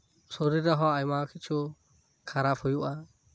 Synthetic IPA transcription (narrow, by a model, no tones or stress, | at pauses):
sɔɾiɾaɦɔajmakʰit͡ʃʰu | kʰaɾapʰɔjuʔa